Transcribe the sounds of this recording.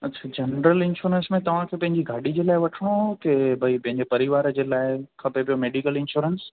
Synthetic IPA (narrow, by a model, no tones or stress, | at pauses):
ɐtːt͡ɕʰaːd͡ʑɐnɾəlɪ̃nʃuːɾə̃nsmẽt̪ɐʋ̤ãkʰeːpɐ̃ɦɪ̃ɲd͡ʑiɡʱaːɗid͡ʑeːlaːɪʋɐʈʰəɽ̃okebʱɐipɐ̃ɦɪ̃ɲd͡ʑepɐɾiʋaːɾəd͡ʑeːlaːɪkʰɐpepijomeːɖikəlɪ̃nʃuːɾəns